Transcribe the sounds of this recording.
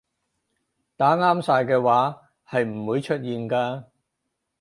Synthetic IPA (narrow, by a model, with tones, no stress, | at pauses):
t̪aː˨˥ŋaː˥msaː˧jkɛː˧waː˨˥ | hɐ˨jm̩˨˩wuː˨˧jt͡ʃʰɵ˥t̚jiː˨nkaː˧